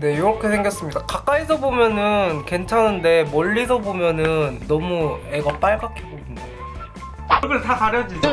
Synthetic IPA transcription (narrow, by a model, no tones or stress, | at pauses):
ne̞joɾʌkʰe̞sʰeŋɡjʌs͈ɯmɲidakak͈̚aisʰʌbomjʌnɯnke̞nt͡ɕʰanɯnde̞mʌʎːisʰʌbomjʌnɯnːʌmue̞ɡap͈aɭɡak͈ʰibominde | ɡɯɭtakaɾjʌd͡ʑid͡ʑ